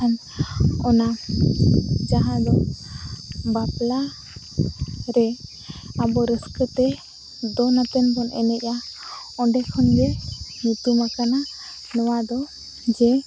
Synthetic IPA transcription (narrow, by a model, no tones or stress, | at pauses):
an | ɔna | d͡ʒaɦãd̪ɔ | bapla | ɾɛ | abɔɾəskət̪ɛ | d̪ɔnat̪ɛnbɔnɛ̰nɛc̚a | ɔɳɖɛkʰɔnɡɛnut̪umakana | nɔwad̪ɔ | d͡ʒɛ